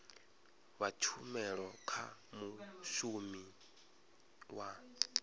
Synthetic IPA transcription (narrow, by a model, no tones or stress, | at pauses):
βatʰumɛɺɔkʰa̰muʃumi | wa